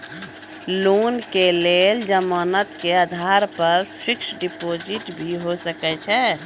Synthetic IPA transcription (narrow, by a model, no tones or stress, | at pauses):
luːnkeleːld͡ʒəmənət̪kead̪ʱaːɾpəɾpʰɾɪksɖipoːd͡ʒɪʈbʱiɦosəkɛt͡ʃʰɛ